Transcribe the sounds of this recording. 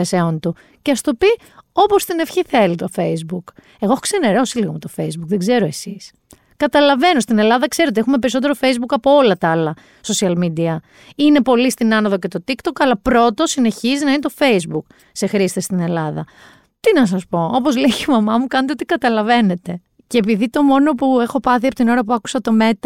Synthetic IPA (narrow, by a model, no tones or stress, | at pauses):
eseont̪u | ceɐst̪o̞pi | o̞po̞st̪ine̞fçiθelit̪o̞fe̞izbuk | eɣoexokse̞ne̞ɾo̞siliɣo̞met̪o̞fe̞jzbukðe̞ɡze̞ɾo̞e̞sis | kɐt̪ɐlɐve̞no̞st̪ine̞lɐðɐkse̞ɾet̪ee̞xume̞p̬e̞ɾiso̞t̪̬eɾo̞fe̞izbukɐpo̞olɐt̪ɐlɐ | so̞siɐlmid̪iɐ | ine̞po̞list̪inɐnoðo̞ce̞t̪o̞t̪ikt̪o̞kɐlɐpɾo̞t̪o̞sine̞çizinɐinet̪o̞fe̞jzbuk | se̞xɾist̪est̪ine̞lɐðɐ̰ | t̪inɐs̬ɐspo̞opozleʝimɐmɐmukɐnet̪eot̪ikɐt̪ɐlɐve̞ne̞t̪e̞ | ceːpiðit̪o̞mo̞no̞pue̞xopɐθiɐpot̪ino̞ɾɐp̬uɐku̥sɐt̪o̞me̞t̪ɐ